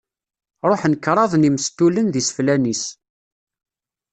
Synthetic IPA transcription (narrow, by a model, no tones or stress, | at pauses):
ɾˤoħnəkːɾˤɑðˤnimst̪ulənðisə̥flænis